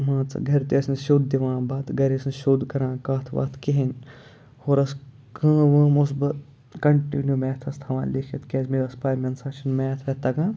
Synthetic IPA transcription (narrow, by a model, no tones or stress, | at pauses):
mãːt͡sɨ̰ɡʱɐɾt̪eɐsnʃoːd̪̚d̪iʋãːbaːt̪ɡɐɾesnʃoːd̪kɐɾãːkaːt̪ʰʋa̰ːt̪ʰkeɦinʲ | hoːɾɐs | kə̃ːʋə̃ːmus̬bɐt̪ | kɐɳʈḭnjumeːt̪ʰɐst̪ʰɐʋã̰ːnlekʰɐt̪keːsmeʋɐspaːjmʲɐnsaːt͡ʃʰinmeːt̪ʰɐt̪ɐɡãː